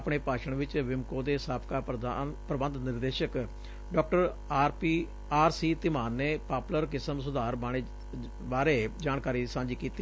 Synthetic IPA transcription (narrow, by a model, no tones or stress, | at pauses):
pɳeːpaːʃəɳʋɪt͡ʃʋɪmkõːd̪eːsaːpkaːnpɾəbənd̪nɪɾd̪eːʃək | ɖɔːk̚ʈəɾ | ɾpiː | aːɾsiːt̪ɪmaːnːeːpaːpləɾkɪsəmsʊd̪aːɾbaːɽ̃eː | baːɾeːd͡ʒaːɳkaːɾiːsãːɲd͡ʒiːkiːt̪i